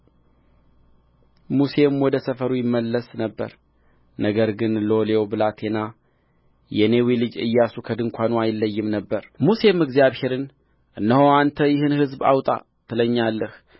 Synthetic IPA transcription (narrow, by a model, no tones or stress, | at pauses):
muse̞mwɔd̪əsəfəɾujɪmːəlːəsnəbːə̰ɾ | nəɡəɾɡɨnlo̞lewobɨlat̪ʰe̞na | jɛne̞wilɨd͡ʒɨ̰jːasukʰəd̪ɨŋkʷanuajɪlːəjːɪmnəbːəɾmuse̞mɨɡzijaβhe̞ɾɨn | ʔɨnːəhoant̪ʰəjɪhɨnhɨzba̰wt̪ʼa̰ | t̪ʰɨləɲːalːəh